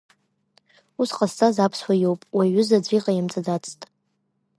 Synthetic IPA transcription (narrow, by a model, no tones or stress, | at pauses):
usqʼast͡sʰʼazapʰswajo̞wpʼwaɥʏzad͡zʷʼiqʼajamt͡sʼad͡zat͡sʰʼtʼ